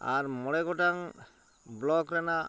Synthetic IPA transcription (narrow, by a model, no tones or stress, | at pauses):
a̰ɾmɔlɛɡɔʈaŋ | blɔkɾɛna